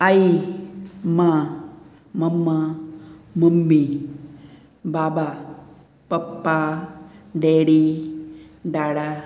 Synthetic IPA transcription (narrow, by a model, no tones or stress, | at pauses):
ai | ma | mɐmːa | mɐmːi | baːba | pɐpːa | ɖeːɽi | ɖaːɽa